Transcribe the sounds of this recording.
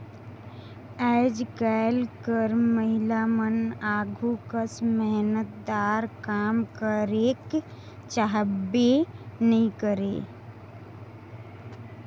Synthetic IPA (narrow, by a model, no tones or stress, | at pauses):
ɛɪd͡ʒɡaɪlkəɾməɦɪlamənaːɡʱukəsmɛɦnət̪̚d̪aːɾkaːmkəɾeːk | t͡ʃaɦəbenəɦĩkəɾḛː